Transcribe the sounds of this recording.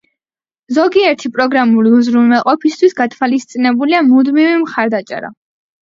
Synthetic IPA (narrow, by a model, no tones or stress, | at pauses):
zɔɡiɛɾt̪ʰipʼɾɔɡɾamuliuzɾumɛlˠqʼɔpʰist̪ʰwisɡat̪ʰwalist̪sʼinɛbuliamud̪mivimχaɾd̪at͡ʃʼɛ̰ɾa̰